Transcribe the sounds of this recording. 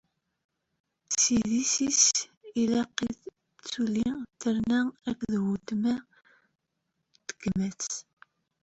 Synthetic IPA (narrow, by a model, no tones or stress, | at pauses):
siðisisilæqið | t͡sːulit̪əɾnæækðwut̪mæ | t̪ə̥ɡəmæt͡s